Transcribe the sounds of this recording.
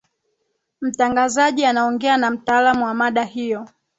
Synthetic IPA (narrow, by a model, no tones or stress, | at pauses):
m̩taŋɡazaʄianaɔŋɡɛanam̩taːlamuwamaɗahijɔ